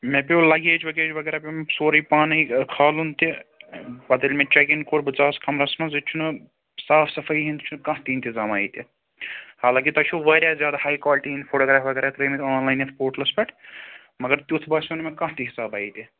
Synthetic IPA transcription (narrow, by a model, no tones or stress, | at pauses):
mẽpeolɐɡeːd͡ʒʋɐɡeːd͡ʒʋɐɡɛːɾaːpisoːɾipaːnikʰaːlunt̪i | bɐd̪ɐlʲmẽt͡ʃek̬inkoːɾbɨt͡saːskɐmɾɐsmɐzit͡ʃʰun | saːfʰsɐfʰɐjɦint̪t͡ʃʰunkɐ̃ɦt̪iːnt̪izaːmaːit̪i | haːlaːkit̪ɐt͡ʃʰuʋɐːɾʲjaːzjaːd̪ahaːjkaːlʈiɦinpʰoːʈoːɡɾaːfʰʋɐɡeɾat̪ɾɐjmt̪ʲaːnlaːjnespoːɾʈlɐspɐʈʰ | mɐɡɐɾt̪ʲut̪ʰbaːsunmẽkɐ̃ɦt̪iɦisaːbaːit̪i